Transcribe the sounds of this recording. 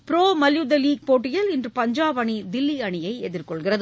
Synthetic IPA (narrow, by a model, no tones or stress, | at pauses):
pɪɾoːmɐljud̪ɐliːk̚poːʈːɪjɐlɪndrɯpɐɲd͡ʒaːbɐɳid̪ɪlːiɐɳɪjɐɪɛðɪrkɔɭɣɪrɐðɯ